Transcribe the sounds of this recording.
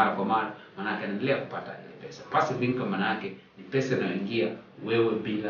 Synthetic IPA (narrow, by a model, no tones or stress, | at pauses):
aɾakwamaɾamanakɛnanlɛkupatadilɛpɛsapasibiŋkamanakɛ | nipɛsanawiŋɡijawɛwɛbiŋɡa